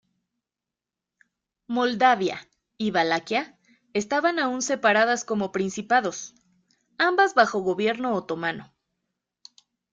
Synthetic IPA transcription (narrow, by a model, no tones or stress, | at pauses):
mo̞ld̪aβja̰ | iβalakja | e̞st̪aβanaunse̞paɾaðasko̞mo̞pɾinsipaðo̞s | ambazβaxo̞ɣo̞βje̞ɾno̞ːt̪o̞mano̞